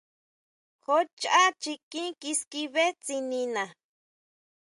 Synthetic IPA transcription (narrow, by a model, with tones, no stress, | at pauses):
xo˦t͡ʃa˦t͡ʃi˧kĩ˦ki˧ski˧βe˦t͡si˧nĩ˧nã˨